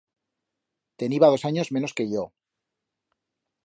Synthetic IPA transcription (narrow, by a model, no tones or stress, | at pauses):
t̪e̞niβaðo̞saɲo̞zme̞no̞ske̞ʝo